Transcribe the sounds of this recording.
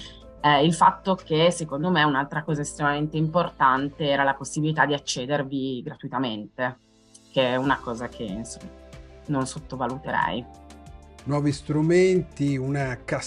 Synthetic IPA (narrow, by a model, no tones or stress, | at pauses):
ɛilfat̪ːok̟esekond̪omeunalt̪ɾakɔːzaest̪ɾemament̪eimport̪ant̪eɛːɾalaposːibilit̪ad̪ːiat͡ʃːeːd̪erviɡɾat̪uit̪ament̪e | k̟eunakɔːzakʰeinso̰mːaanonsot̪ːovalut̪eɾɛ̰j | nwɔːvist̪ɾument̪iunaka